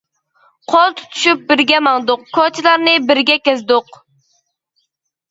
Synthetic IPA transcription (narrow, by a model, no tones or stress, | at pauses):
qʰɔlˠt̪ʰu̥t̪ʰu̥ʃyp̚bɪɾɡʲɛmɑŋd̪ʊqkʰɔt͡ʃʰilˠɑɾnɪbɪɾɡʲɛkʲɛzd̪ʊq